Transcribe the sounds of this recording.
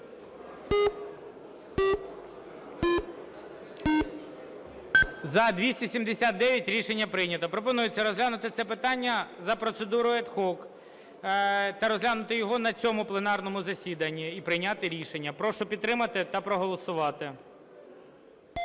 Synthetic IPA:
zɐd̪ʲʋʲisʲtʲisʲimd̪esʲat̪̚d̪ɛʋʲjɐtʲɾʲiʃenʲːɐpɾɪjnʲɐt̪ɐpɾɔpɔnujet͡sʲːɐɾɔzɦlʲanʊt̪ɪt̪sɛpɪt̪ɑnʲːɐzɐpɾɔt̪sed̪uɾʊɛd̪xɔk | t̪ɐɾɔzʲɦlʲanʊt̪ɪjɔɦɔnɐt͡sʲɔmʊplˠenɑrnɔmʊzɐsʲid̪ɐnʲːiːpɾɪjnʲat̪ɪɾʲiʃenʲːɐpɾɔʃɔpʲid̪t̪t̪ːɾɪmɐt̪ɪt̪ɐpɾɔɦɔlˠɔsʊʋɑt̪ɪ

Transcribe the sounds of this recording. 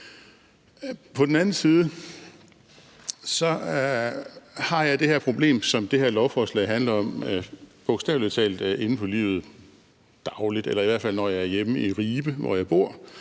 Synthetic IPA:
pʰɒ̽d̥en̩ænn̩siːð̞̩ˠə | sɒ̽ | hɑ̈jɑ̈ɪd̥e̝hæɐ̰pʰʁo̝b̥le̝̰ːmsɒ̽md̥e̝ɦæɐlɒʊfɒːslɛ̰ɪɦænlɐɒ̽mb̥ɔɡ̥sd̥ɛ̰ʊlt͡sʰɛ̰ːld̥e̝nn̩pʰɒ̽lḭːʊð̩ˠ | d̥ɑ̈ʊlid̥elɐiʋæɐfæl̰nɒjɑ̈ɪæɐjeməiʁiːb̥əʋɒ̰jɑ̈ɪb̥o̝ɐ̰

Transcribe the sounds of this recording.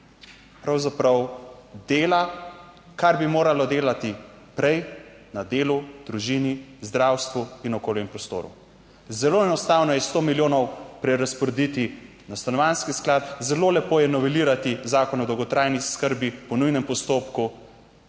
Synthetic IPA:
pɾawzapɾawd̪eːla | kaɾbimoːɾalɔd̪eːlat̪i | pɾɛj | nad̪eːlud̪ɾuʒiːnizd̪ɾaːwst̪ʋuinɔkoːljɛmpɾɔst̪o̰ːɾṵ | zɛloːɛnɔst̪aːwnɔjɛst̪oːmiljoːnɔwpɾɛɾaspɔɾed̪it̪i | nast̪anɔʋanskisklat̪zɛloːlɛpoːjɛnɔʋɛliːɾat̪izaːkɔnɔd̪ɔwɡɔt̪ɾaːjniskəɾbipɔnujnɛmpɔst̪oːpku

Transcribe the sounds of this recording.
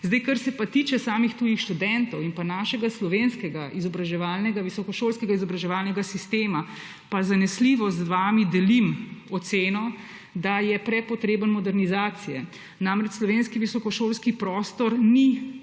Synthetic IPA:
zd̪ɛjkɐɾsɛpat̪it͡ʃɛsaːmixt̪uːjixʃt̪ud̪ɛnt̪ɔwinpanaːʃɛɡaslɔʋenskɛɡaʔizɔbɾaʒɛʋaːlnɛɡaʋisɔkɔʃoːlskɛɡaizɔbɾaʒɛʋalnɛɡasist̪eːma | pazanɛsliʋɔzʋaːmid̪ɛlimɔt̪seːnɔ | d̪ajɛpɾɛpɔt̪ɾeːbənmɔd̪ɛɾnizaːt̪sijɛ̰ | namɾɛt͡ʃslɔʋeːnskiʋisɔkɔʃolskipɾɔːst̪ɔɾni

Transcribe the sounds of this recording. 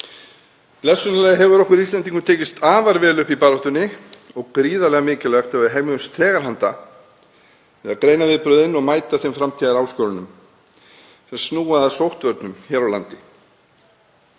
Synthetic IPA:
plɛsʏnalɛɣɦɛvʏɾɔhkʏɾist̪ɛnt̪̬iŋkʏt̪ʰeːcɪst̪aːvaɾvɛːlʏhpipaːɾɔht̪ʏnːɪɔɣkɾiːðalɛɣamɪːcɪlɛɣat̪ʰɛvaðɦejmʏmst̪ʰɛːɣaɾ̥ɦant̪a̰ | ɛɣakɾeːjnavɪðpɾʏðɪnːɔɣmaːjt̪aθɛmfɾamt̪ʰiɣaɾaːwskœːwɾʏnʏm | θɛsnuːaðasowht̪vœɾt̪nʏmçɛːɾawla̰nt̪ɪ

